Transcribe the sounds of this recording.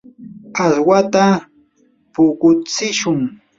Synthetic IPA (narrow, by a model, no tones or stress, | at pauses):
aswat̪a | pʊkʊt͡sɪʃʊŋ